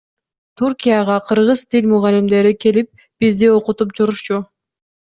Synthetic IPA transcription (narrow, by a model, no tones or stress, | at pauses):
t̪ʰuɾkʲijaʁɑqʰɯɾʁɯzt̪ʰilʲmuʁɑlʲimd̪e̞ɾike̞lip̚ | b̥izd̪io̞qut̪up̚t͡ʃuɾuʃt͡ʃu